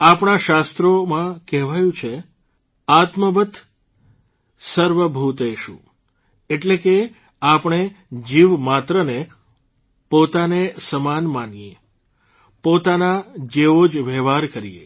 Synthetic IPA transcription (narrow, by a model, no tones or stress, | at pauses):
apɳaʃast̪ɾomãkɛɦʋajũt͡ʃʰe | at̪məʋət̪ | səɾʋəbʱut̪eʃṵ̃ | eʈleke | apɳ̃ed͡ʒiʋmat̪ɾəne | pot̪anesəmanmanije | pot̪anad͡ʒeʋod͡ʒʋɛʋaɾkəɾḭḛ